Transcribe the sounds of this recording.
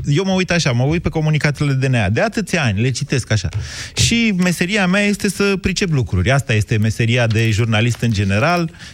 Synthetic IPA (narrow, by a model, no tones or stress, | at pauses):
je̞wməujt̪aʃaməujt̪̚pe̞ko̞munikat̪iled̪e̞nead̪e̞at̪ɨt̪sʲanʲle̞t͡ʃit̪e̞skaʃa̰ʃime̞se̞ɾiameaje̞st̪e̞səpɾit͡ʃe̞p̬lukɾṵɾʲast̪aje̞st̪e̞me̞se̞ɾiad̪e̞ʒurnalist̪ɨnd͡ʒe̞ne̞ɾal